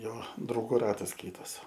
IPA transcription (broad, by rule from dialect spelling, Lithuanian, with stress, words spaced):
ˈjoː drɐʊˈɡuː ˈrɑːtɐs ˈkʲiːtɐs